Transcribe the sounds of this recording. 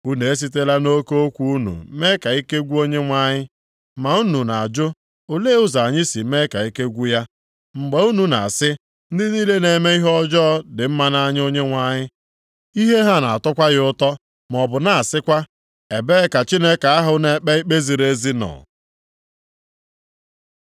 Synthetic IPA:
u˦ne˨e˦s̬i˦t̬e˦la˦no˦ko˦o˦kʷu˦u˦nṵ˨˦me˦ka˨i˦ke˦ɡʷu˦o˦ɲe˦ŋʷa˦ɲɪ˦ | ma˨u˦nu˨na˨a˨d͡ʒʊ˦ | o˨le˦ʊ˦za˨ɲɪ˦si˨˦me˦ka˨i˦ke˦ɡʷu˦ja˦ | ŋ͡m̩˨ɡ͡be˨u˦nu˨na̰˨a˨sɪ˦ | n̩˦dɪ˦niː˦le˦ne˨me˦i˦ɦɔ˦d͡ʒɔ˦dɪ˨m̩˦ma˦na˦ɲɪ˦o˦ɲe˦ŋʷa˦ɲɪ˦ | i˦ɦe˦ɦa˦na˨a˨tɔ˦kʷa˦ɣɪ˦ʊ˦tɔ˦ | m˨ɔ˨bʊ˨na˨a˨sɪ˦kʷa˦ | e˨be˦ka˨t͡ʃi˦ne˦ka˨a˦ɦʊ˦ne˨˦k͡pe˦i˦k͡pe˦zi˨ɾe˦zi˦nɔ̰˨

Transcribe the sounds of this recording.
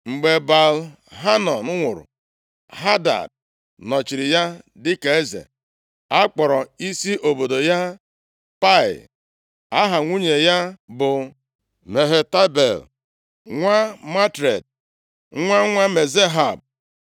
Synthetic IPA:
ŋ͡m̩˨ɡ͡be˨ba˨l | ɦa˦nɔ˨nʊ˦ŋʷʊ˨ɾʊ̰˨ | ɦa˦da̰˨d̚ | nɔ˨t͡ʃi˨ɾɪ˨ja˦dɪ˦ke˨e˦zḛ˨ | a˦k͡pɔ˨ɾɔ˨i˦si˦ʔo˨bo˨do˨ja˦ | pa˦ɪ̰˨l | a˦ɦa˨ŋʷu˦ɲe˨ja˦bʊ˨ | me˨ɦe˨ta˦bḛ˨l | ŋʷa˦ma˦tɾḛ˨d̚ | ŋʷa˦ŋʷa˦me˨ze˦ɦa˨b̚

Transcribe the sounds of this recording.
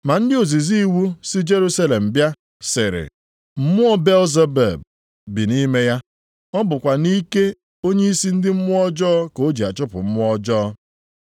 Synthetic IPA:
ma˨n̩˦dɪ˦o˨zi˨zi˦wu˦sɪ˦d͡ʒe˦ɾu˦sa˦le˨m̩˨bja˦ | sɪ˨ɾɪ̰˨ | m̩˦mʊ˦ɔ˦be˦lze˦bḛ˨b̚ | bi˨ni˦me˦ja˦ | ɔ˦bʊ˨kʷa˨ni˦ke˦ | o˦ɲe˦i˦si˦n̩˦dɪ˦m̩˦mʊ˦ɔ˦d͡ʒɔ˦ko˨˦d͡ʒi˨a˨t͡ʃʊ˦pʊ̰˨m̩˦mʊ˦ɔ˦d͡ʒɔː˦

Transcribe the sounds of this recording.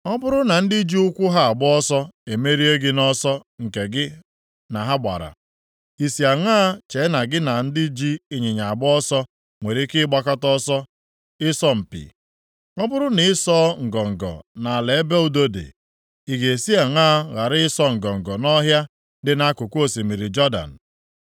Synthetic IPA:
ŋɔ˦bʊ˦ɾʊ˦na˨n̩˦di˦d͡ʒi˦ʊ˦kʷʊ˦ɦa˦a˨ɡ͡bʊ˦ɔ˦sɔ˦e˨me˦ɾi˦e˦ɡɪ˦nɔ˦sɔ˦ŋ̩˨ke˨ɡɪ˦ | na˨ɦa˦ɡ͡ba̰˨ɾa̰˨ | i˨si˨a˨ŋaː˦t͡ʃe˨˦na˨ɡɪ˦na˨n̩˦dɪ˦d͡ʒi˦i˨ɲe˨ɲa˨a˨bʊ˦ɔ˦sɔ˦ | ŋʷe˨ɾi˦kɪ˦ɡ͡ba˦ka˦tɔ˦sɔ˦ | ɪ˦sɔ˦m̩˨pḭ˨ | ŋɔ˦bʊ˦ɾʊ˦nɪ˨ɪ˦sɔ˦ŋ̩˨ɡɔ˨ŋ̩˨ɡɔ̰˨na˨a˨le˨e˦be˦u˨do˦dḛ˨ | i˨ɡe˨si˦a˨ŋaː˦ɣa˨ɾɪ˦ɪ˦sɔ˦ŋ̩˨ɡɔ˨ŋ̩˨ɡɔ˨nɔ˦ɦja˦ | dɪ˦na˦kʊ˨kʷo˨si˨mi˨ɾi˨d͡ʒɔ˦da̰˨n̩˨

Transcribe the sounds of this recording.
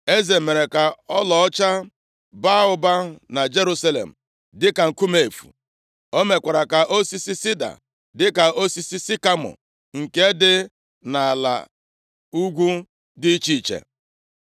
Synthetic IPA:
e˦ze˨me˨ɾe˨ka˨ɔ˦lɔ˨ɔ˦t͡ʃa˦ | ba˦ʊ˦ba˦na˨d͡ʒe˦ɾu˦sa˦lḛ˨m̩˨ | dɪ˦ka˨ŋ̩˨ku˦me˨e˨fṵ˨ | o˦me˨kʷa˨ɾa˨ka˨ʔo˦si˦si˦si˦da̰˨ | dɪ˦ka˨o˦si˦si˦si˦ka˦mɔ̰˨ | ŋ̩˨ke˦dɪ˦ | na˨a˨la̰˨ | u˦ɡʷu˦ | dɪ˦t͡ʃi˦i˨t͡ʃḛ˨

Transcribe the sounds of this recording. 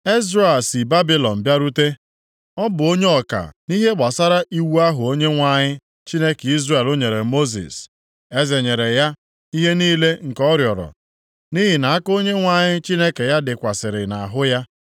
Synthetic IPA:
e˦zɾa˦e˨lsi˨ba˦bi˦lɔ˨n̩˨bja˦ɾu˦te˦ | ɔ˦bʊ˨o˦ɲe˦ɔ˨ka̰˨ni˦ɦe˦ɡ͡ba˨sa˦ɾa˦ʔi˦wu˦a˦ɦʊ˨o˦ɲe˦ŋʷa˨ɲɪ˦ | t͡ʃi˦ne˦ki˦zɾa˦˨e˨lo˦ɲe˨ɾe˨mo˦zḭ˨s | e˦ze˨ɲe˨ɾe˨ja˦ | i˦ɦe˦niː˦le˦ŋ̩˨kɔ˦ɾjɔ˨ɾɔ̰˨ | ni˦ɦɪ˨na˨a˦ko˦ɲe˦ŋʷa˦˨ɲɪ˦t͡ʃi˦ne˦ke˨ja˦dɪ˨kʷa˨sɪ˨ɾɪ˨na˨ɦʊ˦ja˦

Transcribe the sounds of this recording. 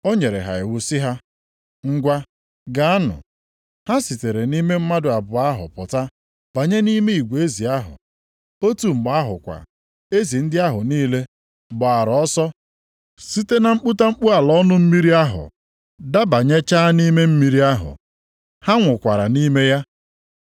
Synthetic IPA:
o˦ɲe˨ɾḛ˨ɦa̰˨ɪ˨wʊ˦si˦ɦa˦ | ŋ̩˦ɡʷa˦ | ɡa˦a˦nʊ̰˨ | ha˦si˨te˨ɾe˨ni˦me˦m̩˦ma˦dʊ˨a˨bʊ˨a˦ɦʊ̰˨pɔ˨ta˦ | b̥a˨ɲe˦ni˦me˦i˨ɡʷe˦zi˨a˦ɦʊ̰˨ | o˦tu˨m̩˨ɡ͡ba˦ɦʊ̰˨kʷa̰˨ | e˦zi˨n̩˦dɪ˦a˦ɦʊ˨niː˦le˦ | bɔ˨a˨ɾɔ˦sɔ˦ | si˦te˦na˨ŋ͡m̩˦k͡pu˦ta˦ŋ͡m̩˦k͡pu˦a˨lɔ˦nʊ˦m̩˦mi˦ɾi˦a˦ɦʊ̰˨ | da˦ba˨ɲe˦t͡ʃaː˦ni˦me˦m̩˦mi˦ɾi˦a˦ɦʊ̰˨ | ha˦ŋʷʊ˨kʷa˨ɾa̰˨ni˦me˦ja˦

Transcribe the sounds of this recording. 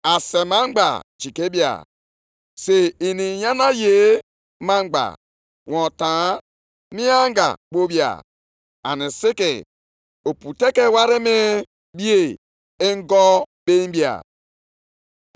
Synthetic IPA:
a˨se˨ma˦ŋ͡m̩˦ɡ͡ba̰˨t͡ʃi˨ke˦bja̰˨ | se˨i˨ni˨ja˦na˦je˨˦ | ma˦ŋ͡m̩˦ɡ͡ba̰˨ | wɔ˨ta˨˦ | mi˦a˦ŋ˦ɡa̰˨k͡po˦bja̰˨ | a˨nɪ˨sɪ˦kɪ˨ | o˨pu˨te˦ke˦wa˦ɾɪ˦me˦ | bi˦e˨ | e˦ŋ˦ɡɔ˦be˦m˦bi˦a̰˨

